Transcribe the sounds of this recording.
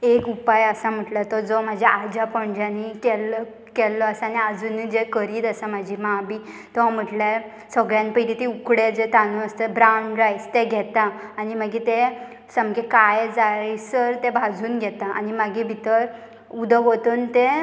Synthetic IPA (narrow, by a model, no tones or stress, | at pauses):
ekupajəsam̤əʈlat̪ɔd͡zɔm̤ad͡ʑʱeʔad͡ʑapəɳd͡ʑanikɛl | kɛlːɔəsaaniad͡zunːid͡ʑekəɾiːt̪asamad͡ʑʱimabi | t̪ɔam̤əʈle | səɡɭjãnpəʈit̪iukɽed͡zet̪anəəst̪əbɾaɳɖɾajst̪eɡʱɛt̪aːnimaɡit̪ẽ | səmkekajd͡zaisəɾt̪ẽbʱad͡zuːnɡʱɛt̪aʔa̰nimaɡibʱit̪əɾ | ud̪ʱəɡʱot̪ənt̪ẽ